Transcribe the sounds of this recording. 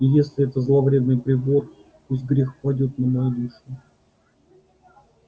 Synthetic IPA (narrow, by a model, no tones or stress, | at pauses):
ijesʲlʲɪɛt̪əzlˠɐvɾʲe̞d̪̚nɨjpɾʲɪbor | uzɡɾʲɪxpɐdʲo̞t̪nəmaɐd̪ʲɨʂʊ